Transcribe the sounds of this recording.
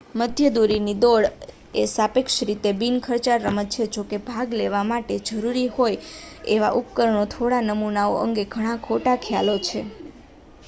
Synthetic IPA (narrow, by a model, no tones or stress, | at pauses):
məd̪ʱjəd̪uɾinid̪oɭ | esapekʃɾit̪ebinkʰəɾt͡ʃaɾːəmət̪̚t͡ʃʰed͡ʒokebʱaɡleʋamaʈed͡ʒəɾuɾihojeʋa̰ʔupkəɾəɳ̃ot̪ʰoɽanəmunao̰ʔə̰ŋɡeɡʱəɽ̃ãkʰoʈakʰja̰lot͡ʃʰe